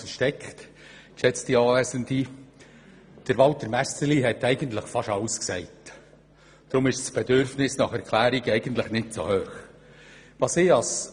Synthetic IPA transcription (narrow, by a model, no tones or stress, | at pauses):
əʃtɛkχt | ɪʃɛt͡sd̥iɑːvɛːsəndi | d̥əɾʋɑltəɾmæstəliɦɛtɛɪɡənt̪lɪχfɑʃɑʊsksɛɪt | d̥ɾʊmɪʃsb̥edʏɾfnɪsnɑχɛɾkʰlæːɾɪɡɛɪɡənt̪lɪχnɪtso̰høːχ | ʋɑseːɑs